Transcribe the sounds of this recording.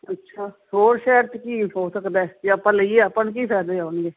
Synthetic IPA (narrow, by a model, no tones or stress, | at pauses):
ətːʃʰaː | ɦoːɾʃɛːəɾt̪kiːɦoːsəkd̪aɛːd͡ʒeəpãːləieːəpːəɳk̬iːpʰɛːd̪eːaːɳɡeː